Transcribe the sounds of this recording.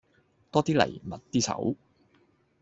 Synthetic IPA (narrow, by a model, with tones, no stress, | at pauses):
t̪ɔː˥t̪iː˥lɐ̰˨˩jmɐ˨˩t̚t̪iː˥sʰɐ̰˨˥w